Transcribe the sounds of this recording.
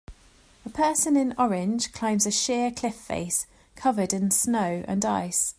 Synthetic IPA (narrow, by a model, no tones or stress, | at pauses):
əpʰɜˑsə̃nɪ̃nɒɹɪ̃nʒ̥kʰl̥ãɪ̃mzəʃɪəkʰl̥ɪfːḛɪs | kʰʌvədɪ̃nsnəʊʔə̰̃na̰ɪs